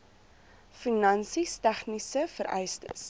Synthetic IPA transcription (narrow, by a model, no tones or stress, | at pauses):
finɐnsistæχnisəfəɾʔɛjstə̰s